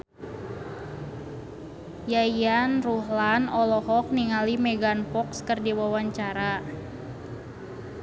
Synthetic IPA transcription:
jajanruhlanɔlɔɦɔk̚niŋalimɛɡanpɔkskərdiwawaɲt͡ʃaɾa

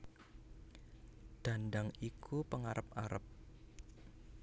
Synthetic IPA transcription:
ɖ̪̥a̤ndaŋikʰupəŋaɾʔəpaɾə̰p̚

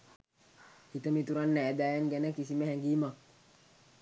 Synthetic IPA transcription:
hit̪amit̪uɾanːɛdajanɡɛnɛkisimɛɦɛŋɡima

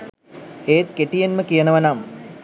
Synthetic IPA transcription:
eːt̪̚keʈijenməkijənəʋənam

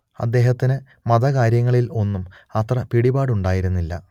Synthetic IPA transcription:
ɐ̰d̪ːe̞ːɦɐt̪ːinɨ | mɐðɐkaːɾjɐŋːɐɭilo̞nːum | ɐt̪rɐpiɽibaːɽuɳɖaːjiɾunːilːɐ̰

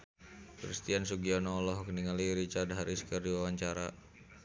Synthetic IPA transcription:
kɾist̪iansuɡiɔnaːlɔɦkəniŋaliɾit͡ʃard̪ɦaɾiskərdiwawaɲt͡ʃaɾa

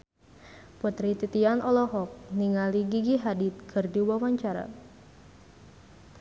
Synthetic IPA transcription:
put̪ɾit̪it̪ianɔlɔɦɔk̚niŋaliɡiɡiɦadit̪̚kʰɨrdiwawaɲt͡ʃaɾa̰

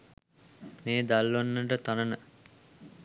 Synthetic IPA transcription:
meːd̪alːonːəʈət̪anənə

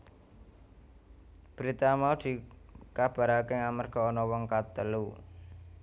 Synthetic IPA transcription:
b̥əɾit̪amaud̪̥i̤kab̥a̤ɾakeŋamarɡ̥ɔ̤ːnɔwɔŋkat̪əlu

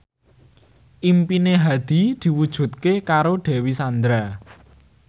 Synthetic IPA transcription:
ʔimpineɦad̪̥i̤d̪̥i̤wud̥ʒ̥ṳt̪̚kekaɾoɖ̥ɛ̤wisand̪ɾa

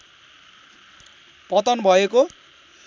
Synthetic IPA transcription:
pʌt̪ʌnbʱʌeko

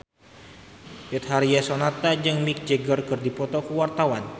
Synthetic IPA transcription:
bɛt̪̚haɾiasonat̪ad͡ʒəŋmik̚d͡ʒəɡərkɨrdipɔt̪ɔkəwart̪awan

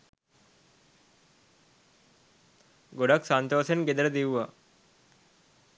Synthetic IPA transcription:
ɡoɖaksant̪oːsenɡed̪əɾəd̪iwʋa

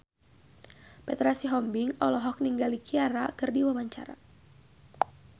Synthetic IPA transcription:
pɛt̪ɾasiɦɔmbiŋɔlɔɦɔk̚niŋɡalikiaɾakɨrdiwawaɲt͡ʃa̰ɾa̰

